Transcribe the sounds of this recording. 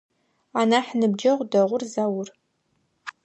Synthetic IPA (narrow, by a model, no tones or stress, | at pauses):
anaħnɨbd͡ʒɐʁʷdɐʁʷʊrzawʊr